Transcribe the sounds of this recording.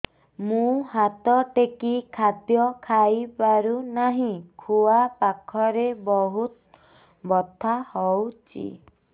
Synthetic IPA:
mũɦat̪ɔʈekikʰat̪jɔkʰajpaɾunaɦĩkʰuapakʰɔɾebɔɦut̪̚ | bɔt̪ʰahɔwt͡ʃʰḭ

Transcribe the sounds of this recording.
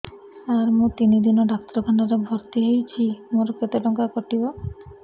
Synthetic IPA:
aɾmũt̪inid̪inɔɖakt̪ɾɔkʰaɳaɾɔbʱɔɾt̪iɦejt͡ʃʰimoɾoket̪ɔʈɔŋkakɔʈibo

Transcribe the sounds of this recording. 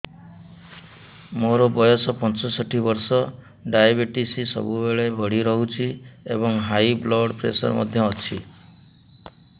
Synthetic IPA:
moɾɔbɔjɔsɔpɔnt͡ʃɔsɔʈʰibɔɾsɔ | ɖajabiʈisisɔ̰bubeɭebʱɔɽiɾɔɦut͡ʃʰiebɔŋɦajblɔɽpɾḛsɔ̰ɾmɔ̰d̪ʱjɔːt͡ʃʰi

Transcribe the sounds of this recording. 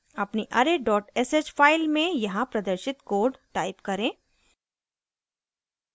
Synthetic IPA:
ɐpniʔɐɾeɖɔːʈɛsed͡ʒfaːɪlmẽjɐɦãpɾɐd̪əɾʃɪt̪koːɾɖʈaːɪpkɐɾẽː

